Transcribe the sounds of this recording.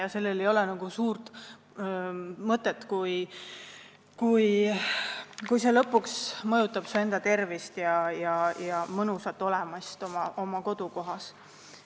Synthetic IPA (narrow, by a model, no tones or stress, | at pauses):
jɑse̞lːele̞jo̞lɛnɑɡ̥usuːrt̪ | mɤt̪ːˑet̪kuj | kuj | kujse̞lɤpːˑuksmɤjut̪ːˑɑb̥sue̞nd̪̥ɑt̪e̞rvist̪jɑjɑjɑmɤnusɑt̪ːˑo̞lɛmɑst̪o̞mɑʔo̞mɑko̞d̪̥uko̞ɦɑs